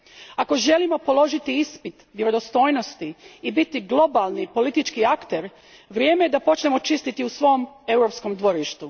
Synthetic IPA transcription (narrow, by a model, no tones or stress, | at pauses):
ako̞ʒe̞limo̞po̞lo̞ʒit̪iispit̪ʋjeɾod̪o̞st̪o̞ːjno̞st̪iːbit̪iɡlˠo̞balˠnipo̞lit̪it͡ʃkiakt̪e̞ɾ | ʋɾje̞ːme̞jed̪apo̞t͡ʃne̞mo̞t͡ʃist̪it̪iusʋo̞om | e̞wɾo̞psko̞md̪ʋo̞ɾiʃt̪u